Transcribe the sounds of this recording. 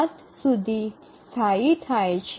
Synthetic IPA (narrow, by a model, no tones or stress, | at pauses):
t̪ | sud̪ʱi | t̪ʰait̪ʰajt͡ɕʰ